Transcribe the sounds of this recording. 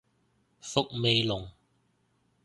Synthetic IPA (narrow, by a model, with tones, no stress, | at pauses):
fʊ˦˥k̚me˧jlʊ˨˩ŋ